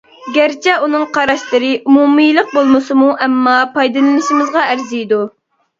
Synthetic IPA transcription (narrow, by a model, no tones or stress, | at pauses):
ɡʲæɾt͡ʃʰɛunɨŋqʰɑɾɑʃlˠɨɾɨʔumumijlˠəq̚bolˠmɨsɨmuʔɛmːɑpʰɑjd̪ɨnɨnɨʃmɨzʁɑæɾzijd̪u